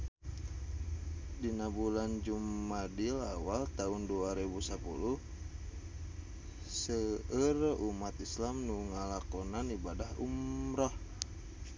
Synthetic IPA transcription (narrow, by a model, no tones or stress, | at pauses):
dinabuland͡ʒumːadilawalt̪aunduaɾɛbusapṵluh | səərumat̪islamnuŋalakɔnanibadahṵmɾɔh